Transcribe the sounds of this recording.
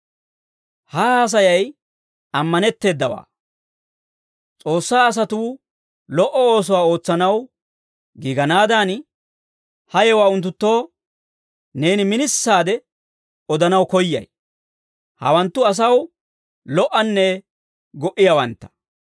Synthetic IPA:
haːas̬ɐjɐj | ɐmːɐnɛt̪ːe̞ːd̪ːɐwa̰ː | t͡sʼo̞ːsːaːɐs̬ɐt̪uː | lɔʔɔoːs̬ɔwaːo̞ːt͡sːɐnɐw | ɡɪɡɐnaːd̪aːn | hɐjɛwaːʊnt̪̬ːʊt̪ːo̞ː | ne̞ːnɪmɪnɪsːaːd̪ɛ | ɔd̪ɐnɐwkɔjːɐ̰j | hɐ̰wɐnt̪ːʊɐs̬ɐw | lɔʔɐnːɛ | ɡɔʔɪjawɐnt̪ːɐ̥

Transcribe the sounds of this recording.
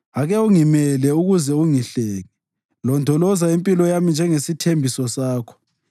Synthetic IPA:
aɣɛuŋimɛlɛuɣuzɛuŋiɬɛːŋɛ | lɔndʱɔlɔzaimpʼilɔjamind͡ʒʱɛŋesitʰembʱisɔsaːkʰɔ̥

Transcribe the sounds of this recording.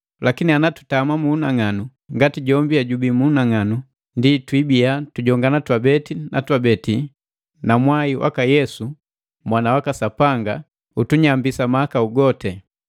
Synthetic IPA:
lakinianatu̥tamamuːnaŋanu | ŋɡatiɟɔmbiaɟubimuːnaŋanu | nditwibiatuɟɔŋɡanatwabɛtina̰twabɛti | namwaiwʔa̰kajɛsu | mwanawakasapaŋɡa | utuɲambisamaakauɡɔtɛ

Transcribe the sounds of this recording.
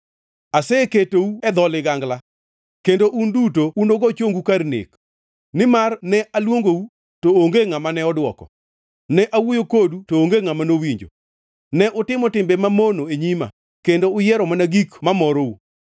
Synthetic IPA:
asɛketouɛd̪ɔlɪɡaŋɡla | kendoʔundutounoɡɔt͡ʃoŋɡukaɾnḛk | nɪmarnɛʔalwoŋɡou | tooŋɡeŋamanɛɔdwɔ̰kɔ̰ | nɛʔawojokodutoːŋɡeŋamanowiɲd͡ʒo̰ | nɛʔʊtɪmɔtɪmbɛmamonoeɲima̰ | kendoʊjɛɾɔmanaɡikmamɔɾou

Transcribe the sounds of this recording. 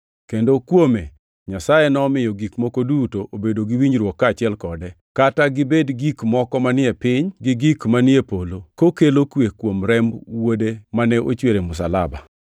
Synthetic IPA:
kendokwome | ɲasajenɔːmɪjɔɡikmokodutoʔobedoɡiwiɲɾwɔkːat͡ʃɪɛlkɔdɛ | kataɡɪbedɡikmɔkɔmanɪɛpɪɲɡɪɡikmanɪepolokokelokwekwomɾɛmbwodemanɛʔo̰t͡ʃweɾemʊsala̰ba̰

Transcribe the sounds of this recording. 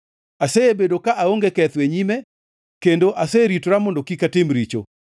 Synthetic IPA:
aseebedokaʔaoŋɡekɛt̪weɲimɛ | kendoʔaseɾitɾamɔndɔkikatɪmɾit͡ʃo̰

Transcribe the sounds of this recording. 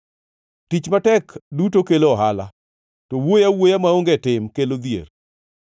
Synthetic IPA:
tit͡ʃmatɛkdutokeloɔɦala̰ | tɔwojawojamaoŋɡɛtɪmkelod̪jḛr

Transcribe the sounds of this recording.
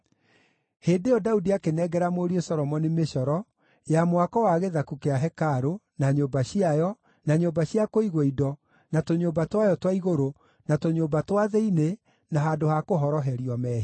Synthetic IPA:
heːndejɔdaudiakenɛɡɛɾamoːɾiosɔɾɔmɔnimeɕɔɾɔ | jamwakɔwaɣeðakukeaɦɛkaɾo | naɲoːbaɕiajɔ | naɲoːbaɕiakoiɣweidɔ | natoɲoːmbatwajɔtwaiɣoɾo | natoɲoːmbatwaðɛine | naɦaːdohakoɦɔɾɔɦɛɾiɔmɛːhi

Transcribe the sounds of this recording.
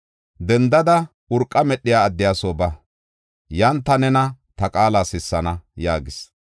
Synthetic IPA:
d̪ɛnd̪ɐd̪ɐ | ʊɾkʼːɐmɛɗːɪjaːd̪ːɪjaːsoːbɐ | jɐnt̪ːɐnɛnɐt̪ɐkʼaːlaːsɪsːɐnɐjaːɡɪs

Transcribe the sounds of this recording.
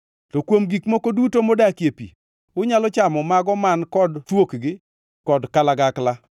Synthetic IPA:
tɔkwomɡikmokodutomodakjepḭ | ʊɲalɔt͡ʃamɔmaɡɔmankɔdtwokɡɪ | kɔdkalaɡakla

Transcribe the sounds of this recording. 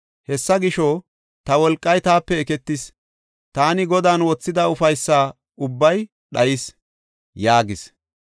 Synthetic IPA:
hɛsːɐɡɪʃo | t̪ɐwɔlkʼːɐjt̪aːpːɛɛkɛt̪ːɪs | t̪aːnɪɡɔd̪aːnwɔt͡sːɪd̪ɐʊfɐjsːaː | ʊbːɐj | ɗɐjɪs | jaːɡɪs

